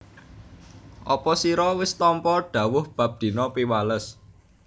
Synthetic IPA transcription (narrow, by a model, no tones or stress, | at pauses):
ʔɔpɔsiɾɔwɪst̪ɔmpɔɖ̥ä̤wʊhb̥a̤p̚d̪̥i̤nɔpiwaləs